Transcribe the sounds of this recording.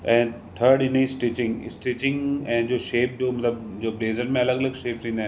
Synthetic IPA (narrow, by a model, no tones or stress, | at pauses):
ɛ̃ː | ʈʰəɾɽɪnisʈit͡ɕɪ̃ŋɡɪ̰sʈit͡ɕɪ̃ŋɡɛ̃ːd͡ʑoːʃeːp̚d͡ʑoːmɐt̪ləb̚d͡ʑoːbleːzəɾmẽɐləɡɐləɡʃeːp̚t͡ɕĩːndaːɦ